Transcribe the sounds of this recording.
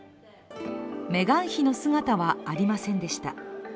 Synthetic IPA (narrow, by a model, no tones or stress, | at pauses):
me̞ɡãɰ̃çino̞sɨŋat̪aβaːɾʲimasẽ̞nd̪e̞ɕi̥t̪a